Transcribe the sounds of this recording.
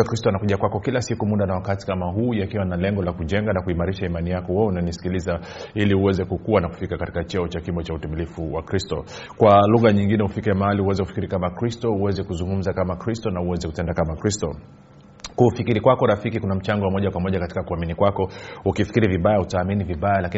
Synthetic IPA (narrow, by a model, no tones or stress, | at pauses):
kɾistɔanakuʄakwakɔkilasikumuɗanawakati̥kamaɦuːjakiwanalɛŋɡɔlakuʄɛŋɡanakuimaɾiʃaimanijakɔwɛɛunanisi̥kiliza | iliuwɛzɛkukuwanaku̥fikakati̥kat͡ʃɔɔt͡ʃakimbɔt͡ʃautɛmilifuwakɾistɔ̰ | kwaluɣaɲiŋɡinɛhufikiamahalihuwɛzɛkufikiɾikamakɾistɔuwɛzɛkuzuŋɡum̩zakamakɾistɔnauwɛzɛku̥tɛndakamakɾistɔ | kufikiɾikwakɔɾafikikunam̩t͡ʃaŋɡɔwamɔʄakwamɔʄakati̥kakuaminikwakɔukifi̥kiɾiviɓajautaːminiviɓajalaki